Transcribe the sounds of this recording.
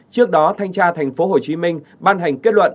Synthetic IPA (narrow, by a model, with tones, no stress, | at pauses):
t͡ɕɨ˦˥ək̚ɗɔ˨˦t̪ʰa˧jŋ̟t͡ɕaː˧t̪ʰa˨˩jŋ̟fo˨˦ɦo˨˩t͡ɕi˨˦mï˧ŋ̟ | ɓaː˧nɦa˨˩jŋ̟ke˦˥t̚lwə̰˧˨n